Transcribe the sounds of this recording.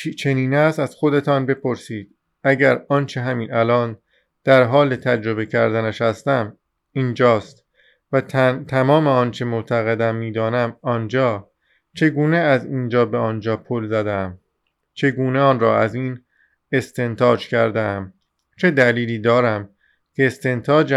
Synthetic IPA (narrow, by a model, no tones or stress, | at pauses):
t͡ʃʰe̞niːnæsæz̥xo̞d̪e̞t̪ʰɒːnbe̞pʰo̞ɾsiːd̪̥ | æɟæɾɒːnt͡ʃʰe̞ɦæmiːnælɒːn | d̪̥æɾɦɒːle̞t̪ʰæd͡ʒɾo̞be̞cʰæɾd̪ænæʃhæst̪æm | ind͡ʒɒːst̪ | væt̪ʰæmɒːme̞ɒːnt͡ʃʰe̞moʔt̪ʰæɣe̞d̪æmːiːd̪ɒːnæmɒnd͡ʒɒː | t͡ʃʰe̞ɡuːneæziːnd͡ʒɒːbeɒːnd͡ʒɒːpʰolzæd̪eæm | t͡ʃʰe̞ɡuːneɒːnrɒːæziːn | e̞st̪e̞nt̪ʰɒːd͡ʒcʰæɾd̪eæm | t͡ʃʰe̞d̪æliːliːd̪ɒːɾæm | cʰe̞ːst̪e̞nt̪ʰɒːd͡ʒ